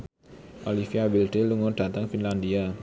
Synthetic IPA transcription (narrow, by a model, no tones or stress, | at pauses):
ʔolifiabilɖ̪eluŋɔɖ̥a̤t̪aŋfinland̪ia